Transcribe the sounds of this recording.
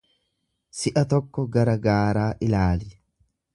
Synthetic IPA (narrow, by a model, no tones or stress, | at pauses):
sɪʔɐt̪ɔkːɔɡɐɾɐɡaːɾaːʔɪlaːlɪ